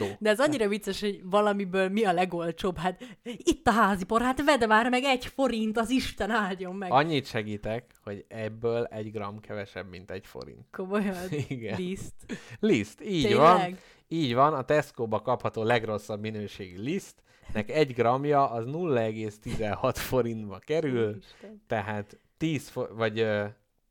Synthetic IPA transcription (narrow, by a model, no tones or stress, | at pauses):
d̪ɛɛzɒɲːiɾɒvit̪sːeʃho̞ɟvɒlɒmibøːlmiɒlɛɡo̞lt͡ʃoːbɦaːt̪it̪ːɒɦaːzipo̞ɾɦaːt̪vɛd̪vaːrmɛɡɛɟfo̞ɾint̪ɒziʃt̪ɛnaːljo̞mːɛɡɒɲːit̪ʃɛɡiːt̪ɛkho̞ɟɛbːøːlɛɟɡrɒmkʰɛvɛʃɛ̰bmḭnt̪ɛɟfo̞̰ɾḭnt̪komo̞jiɡɛist̪list̪iːɟvɒnɡ | iːɟʋɒnɒt̪ɛskoːbɒkɒphɒt̪oːlɛɡro̞sːɒbminøːʃeːɡylist̪ | nɛkɛɟɡrɒmjɒʔɒznulːɒɛɡeːst̪izɛnhɒt̪fo̞ɾint̪bɒkɛɾylt̪ɛɦaːt̪ːiːsfovɒɟøː